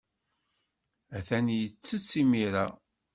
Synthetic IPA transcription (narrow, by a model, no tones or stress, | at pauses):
æθænjət͡sːət͡sːimiɾæ